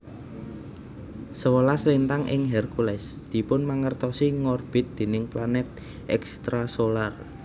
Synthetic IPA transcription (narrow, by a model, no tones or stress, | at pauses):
səwəlaslent̪aŋʔɪ̰ŋɦɛrkulɛsd̪̥i̤pʊnmaŋərt̪ɔsiŋɔrb̥ɪ̤t̪̚d̪̥e̤nɪŋplanɛt̪̚ | ʔɛkst̪ɾasolar